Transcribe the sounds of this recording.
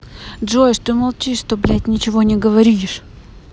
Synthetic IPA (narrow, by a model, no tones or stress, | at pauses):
dʐoɪʂd̪umɐlˠt͡ɕʲiʂt̪oblʲæt̪ʲnʲɪt͡ɕɪvonʲɪɡəvɐɾʲiʂ